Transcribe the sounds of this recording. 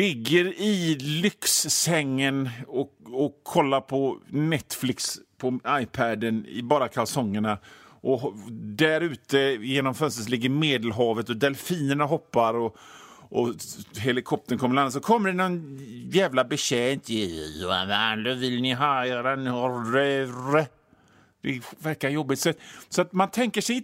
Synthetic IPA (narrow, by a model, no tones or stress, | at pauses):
lɪɡːəɾɪlʏksːɛŋːənɔɔkʰːɔlːaɾpʰɔnɛt̪ːflɪkspʰɔajpʰæd̪ənɪ̰bɑːɾakʰalsɔŋːəɳaʔɔd̪æɾʉ̟ːt̪əjeːnɔmfœnst̪əslɪɡːəɾmeːd̪əlɦɑːvət̪ɔd̪ɛlfiːnəɳaɦɔpːaɾɔ | ʔɔɦɛlɪkʰɔp̚t̪ənkʰɔmːəlanːas̬ɔkʰɔmːəɖɛnɔnjæːvlabɛɕɛːnt̪ʰɪjɛ̰nɛnd̪øvɪlnɪɦɑːeːɾanɔɾɛɾə | d̪̥ɛvæɾkajɔbːɪt̪sɛt̪ːsɔat̪mant̪ʰɛŋkəʂɛ